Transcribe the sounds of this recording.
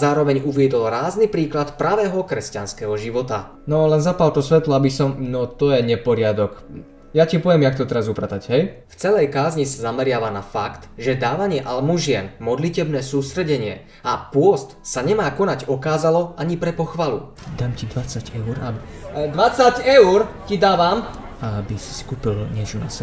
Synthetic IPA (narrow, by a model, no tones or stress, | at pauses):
zaːɾɔʋɛɲuʋɪɛd̪ɔlɾaːznipɾiːklat̪pɾaʋɛːɦɔkɾɛscanskɛɦɔʒiʋɔt̪a | nɔlɛnzapalt̪ɔsʋɛt̪lɔabisɔmnɔt̪ɔjɛɲɛpɔɾɪad̪ɔk | jacipɔʋjɛmjak̚t̪ɔt̪ɛɾazupɾat̪aɟɦɛjft͡sɛlɛjkaːzɲisazamɛɾɪaʋanafakt̪ʒɛd̪aːʋaɲɪɛʔalmuʒɪɛnmɔd̪licɛbnɛːsuːst̪ɾɛɟɛɲɪɛ̰ | apʊɔst̪saɲɛmaːkɔnaɟɔkaːzalɔaɲipɾɛpɔxʋalṵ | d̪aːmcid̪ʋat͡saɟɛʊɾa̰bd̪ʋat͡saɟɛʊɾcid̪aːʋam | abisi̥si̥kuːpilɲɪɛt͡ʃɔna̰sɛbɛ